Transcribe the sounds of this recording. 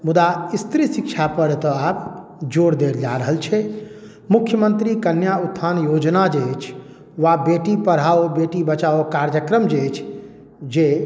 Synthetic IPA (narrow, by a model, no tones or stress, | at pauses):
mud̪aist̪ɾisikt͡ʃʰapəɾt̪ɔab | d͡ʒoɾd̪eɾd͡ʒaɾəɦəlt͡ʃʰɛ | mukʰːjəmənt̪ɾikənjaut̪ʰːanjod͡ʒnad͡ʒet͡ʃʰ | ʋabeʈipəɽ̤aobeʈibət͡ʃaokaɾjəkɾəmd͡ʒet͡ʃʰ | d͡ʒe